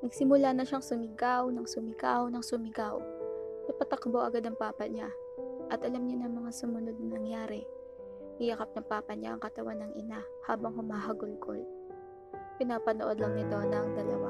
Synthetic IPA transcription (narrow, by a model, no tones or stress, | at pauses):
nɐɡ̚sɪmʊlaːnɐʃaŋsʊmɪɡawnɐŋsʊmɪkawnɐŋsʊmɪkawnɐpɐt̪ɐkboʔɐɡad̪ɐŋpaːpɐɲa | ʔɐt̪ʔɐlamɲanɐŋmɐŋasʊmʊno̞d̪̚nɐnɐŋjaːɾɛ | ɪjɐkap̚nɐŋpaːpɐɲa̰ʔɐ̰ŋkɐt̪ɐwanɐŋʔɪna | haːbɐŋhʊmaːɦɐɡʊlko̰l | pɪnaːpɐnoʔo̞d̪lɐŋnɪt̪o̞nɐŋd̪ɐlɐwa